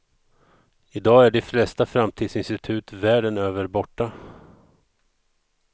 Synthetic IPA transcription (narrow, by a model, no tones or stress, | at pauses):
ɪd̪ɑːæɖɛflɛst̪afɾamt̪ʰiːd̪sɪnst̪ɪt̪ʰʉ̟ːt̪væːɖənøːvəɾbɔʈːa